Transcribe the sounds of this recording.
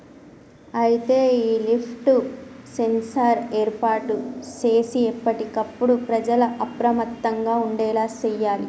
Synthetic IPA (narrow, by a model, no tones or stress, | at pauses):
ɐjit̪e̞ːiːlipʰʈusensɐɾeːɾpaːɾʈut͡ʃeːsiɛpːɐʈikɐpːuɽupɾɐd͡ʒɐlɐʔɐpɾɐmɐt̪ːɐŋɡaːuɳɖɛːlaːt͡ʃɛjːaːli